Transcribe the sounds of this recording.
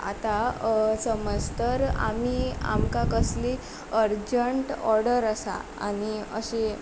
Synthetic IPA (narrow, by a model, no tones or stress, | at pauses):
a̰t̪asəməd͡zt̪əɾa̰mia̰mkãkəsli | əɾd͡ʑəɳʈɔɾɽəɾasa̰a̰niəɕe